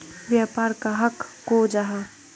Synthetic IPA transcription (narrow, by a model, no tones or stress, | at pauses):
ʋjaːpaːɾkaɦɐkː | od͡ʒaɦa